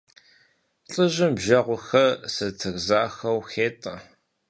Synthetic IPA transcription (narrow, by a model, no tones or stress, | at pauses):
ɬʼɨʒɪmbʒɐʁʷʊxɐsɐtʰɨɣzaːxɐwxeːtʼɐ̰